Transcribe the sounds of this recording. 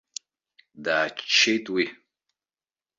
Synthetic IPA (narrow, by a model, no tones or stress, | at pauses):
daːt͡ʃt͡ʃʰːejtʼwi